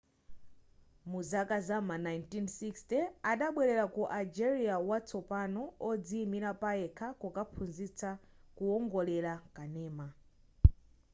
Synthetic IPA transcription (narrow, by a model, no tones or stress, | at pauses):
muzakazamanajntinsikstɛaɗaɓwɛɾɛɾakuʔald͡ʒɛɾiawat͡sɔpanɔːd͡zimiɾapaɛkʰakukapʰunzit͡sakuɔŋɡɔlɛɾakanɛːma